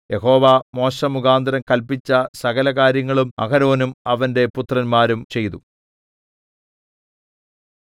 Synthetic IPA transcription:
je̞ɦo̞ːʋaːmo̞ːɕɐmuɣaːnd̪ɐɾɐmkɐlpit͡ɕːɐsɐɣɐlɐɣaːɾjɐŋːɐɭumɐ̰ɡɐɾo̞ːnumɐʋɐnde̞put̪rɐnmaːɾumt͡ɕe̞jt̪u

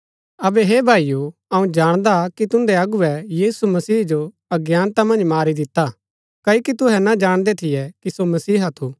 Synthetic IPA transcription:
ɐbɛɦeːbʱaːijuɐũd͡ʒaːɽ̃d̪akit̪ʊ̃nd̪ɛɐɡuɛjiːsumɐsiːd͡ʒo | ɐɡjaːnt̪amɐ̃nd͡ʒmaːɾid̪ɪt̪a | kɐikit̪ʊɦɛnad͡ʒaːɽ̃d̪et̪ʰɪjɛkisomɐsiːɦat̪ʰuː

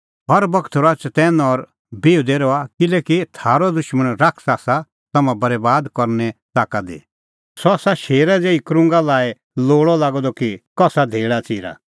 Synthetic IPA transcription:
ɦɔɾbɐkʰt̪ʰɾat͡ʃt̪ɛːnɔɾ | beːud̪ɛɾɔakɪlɛːkit̪ʰaːɾɔd̪ʊʃmənɾakʰsaːsa | t̪ɐmãbɐɾɛbaːd̪kɔɾnɛt̪aːkad̪ḭ | sɔasaʃeːɾad͡zeːikɾʊ̃ŋɡalaːe | loːɭɔlaːɡɔd̪ɔkikɔsad̪ʱeːɭat͡siːɾa̰

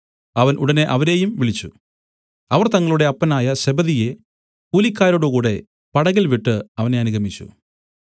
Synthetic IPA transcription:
ɐʋɐnʔuɽɐne̞ʔɐʋɐɾe̞ːjumʋiɭit͡ɕːu | ɐʋɐrt̪ɐŋːɐɭuɽe̞ɐpːɐnaːjɐɕebɐðije̞ | puːlikːaːɾoːɽukuːɽe̞ | pɐɽɐɣilʋiʈːɨɐʋɐne̞ɐnuɡɐmit͡ɕːṵ

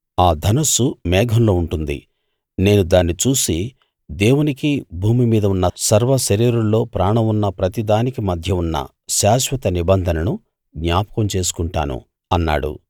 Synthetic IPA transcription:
aːd̪ʱɐnɐsumɛːɡʱɐmlo̞ːuɳʈund̪ḭ | ne̞ːnud̪aːnːit͡ʃuːsi | d̪e̞ːwunikibʱuːmimiːd̪ɐunːɐsɐɾʋɐʃɐɾiːɾuɭːo̞ːpɾaːɳɐmunːɐpɾɐt̪id̪aːnikimɐd̪ʱjɐunːɐ̰ | ʃaːʃʋɐt̪ɐnibɐnd̪ʱɐnɐnu | ɡɲaːpɐ̥kɐmt͡ʃe̞ːs̬u̥kuɳʈa̰ːnṵ | ɐnːa̰ːɽṵ

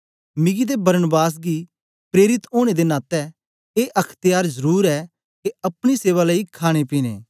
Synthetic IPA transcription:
mɪɡid̪ebɐɾnbaːs̬ɡi | pɾeːɾɪt̪oːɽ̃ed̪enaːt̪ɛ | eːʔɐkʰt̪ɪjaːɾzəɾuːɾɛ | keɐpɽ̃iseːʋaləikʰaːɽ̃epiːnḛː

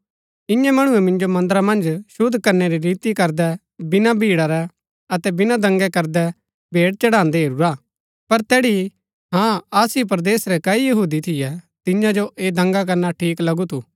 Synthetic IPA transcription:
ɪ̃jãmɐɽ̃ʊɛmɪ̃nd͡ʒomɐ̃nd̪ɾamɐ̃nd͡ʒʃʊd̪ʱːkɐɾnɛɾiɾiːt̪ikɐɾd̪ɛ | bɪnabʱiːɽaɾɛ | ɐt̪ɛbɪnad̪ɐ̃ŋɡɛkɐɾd̪ɛ | bʱeːɽt͡ʃɐɽãːnd̪eɦeːɾuɾaː | pɐɾt̪ɛːɽi | ɦãːaːsip̬ɾd̪eːsɾɛkɐijɐɦuːd̪it̪ʰɪjɛ | t̪ɪ̃jãd͡ʒoʔeːd̪ɐ̃ŋɡak̬ɐɾnaʈʰiːklɐɡut̪ʰu

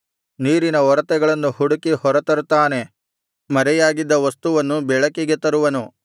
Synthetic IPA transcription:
niːɾinɐɔɾɐt̪ɛɡɐɭɐnːuhuɽukihɔɾɐt̪ɐɾut̪ːaːne̞ | mɐɾɛjaːɡid̪ːɐʋɐst̪uʋɐnːubɛɭɐkiɡet̪ɐɾuʋɐnu

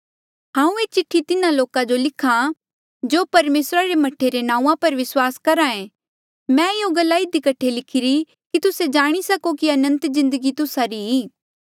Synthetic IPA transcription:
ɦãːũeːt͡ʃɪʈʰːit̪ɪnãloːkãd͡ʒolɪkʰã | d͡ʒoːpɐɾmeːsɾaɾemɐʈʰːeɾenãːũːãpɐɾʋɪswaːskɐɾaẽ | mɛ̃ɪɦoɡɐlːaɪd̪ikɐʈʰelɪkʰɪɾi | kit̪ʊsed͡ʒaːɽ̃isɐkokiɐnə̃nt̪zɪ̃nd̪əɡit̪ʊsaɾiiː

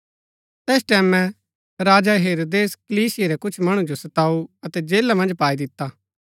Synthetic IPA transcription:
t̪ɛːsʈɛːmɛ̃ | ɾaːd͡ʒaɦeːɾoːd̪eːskəliːsɪjeɾɛkʊt͡ʃʰmɐɽ̃ũd͡ʒosɐt̪aːuɐt̪ɛd͡ʒeːlamɐ̃nd͡ʒpaːid̪ɪt̪ːa

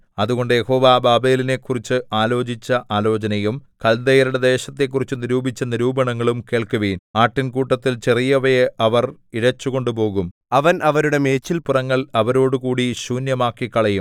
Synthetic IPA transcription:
ɐðuɣo̞ɳɖɨje̞ho̞ːʋabaːbe̞ːline̞kːurit͡ɕːɨʔaːlo̞ːt͡ɕit͡ɕːɐʔaːlo̞ːt͡ɕɐnɐjumkɐld̪ɐjɐɾuɽed̪e̞ːɕɐt̪ːe̞kːurit͡ɕːɨniɾuːbit͡ɕːɐniɾuːbɐɳɐŋːɐɭumke̞ːɭkuʋiːnaːʈːinkuːʈːɐt̪ːilt͡ɕerijɐʋɐjeʔɐʋɐriɽɐt͡ɕːuɣo̞ɳɖup̬o̞ːɣum | ɐʋɐnʔɐʋɐɾuɽe̞me̞ːt͡ɕːilpurɐŋːɐɭɐʋɐɾo̞ːɽukuːɽiɕuːnjɐmaːkːikːɐɭɐjum

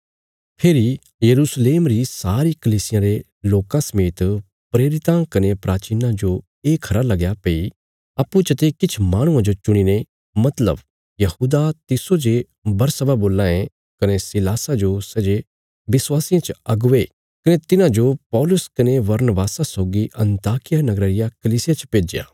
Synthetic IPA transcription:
pʰeːɾi | jɐɾuːsleːmɾisaːɾikɐliːsɪjãɾe | loːkãsɐmeːt̪ | pɾeːɾɪt̪ãkɐnepɾaːt͡ʃiːnãd͡ʒo | eːkʰɐɾalɐɡjapeːi | ɐpːũt͡ʃɐt̪ekɪt͡ʃʰmaːɽ̃ʊ̃ãd͡ʒot͡ʃʊɽ̃ine | mɐt̪lə̰b | jɐhuːd̪at̪ɪsod͡ʒe | bɐɾsəbaboːlːãːẽ | kɐnesɪlaːsad͡ʒosɛd͡ʒe | bɪswaːsɪjãt͡ʃɐɡʊʋe | kɐnet̪ɪnãd͡ʒopɔːlʊskɐneʋɐɾnbaːsasɔːɡiʔɐ̃nt̪aːkɪjanɐɡɾəːɾɪjakɐliːsɪjat͡ʃpeːd͡ʒɪja̰ː

